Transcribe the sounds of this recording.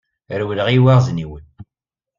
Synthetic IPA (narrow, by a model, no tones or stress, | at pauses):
ɾwləʁiwæʁzniwən